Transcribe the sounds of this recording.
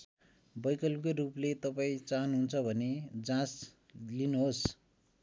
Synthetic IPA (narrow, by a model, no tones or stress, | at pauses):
bʌjkʌlpoɾuplet̪ʌpaĩt͡saɦnɦunt͡sʰʌbʱʌned͡zãs | linuɦos